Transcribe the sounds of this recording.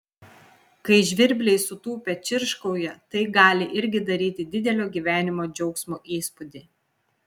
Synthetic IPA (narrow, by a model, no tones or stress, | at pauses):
kɐɪʒʲʋʲɪɾʲbʲlʲɛɪsʊt̪uːpʲɛt͡ʃʲɪɾʃkɐʊjɛt̪ɐɪɡɑːlʲɪʔɪɾʲɡʲɪd̪ɐɾʲiːt̪ʲɪd̪ʲɪd̪ʲɛlʲoːɡʲiːʋʲæːnʲɪmoːd͡ʒʲɛʊksmuːʔiːspʊd̪ʲe